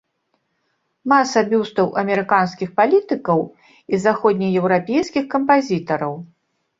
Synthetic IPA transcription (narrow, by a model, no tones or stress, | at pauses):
masɐbʲiwst̪ɐwʔɐmʲɛɾɨkanskʲixpalʲit̪ɨkɐw | izaxɔd̪ʲnʲijjɛwɾapʲejskʲixkɐmpazʲit̪ɐɾɐw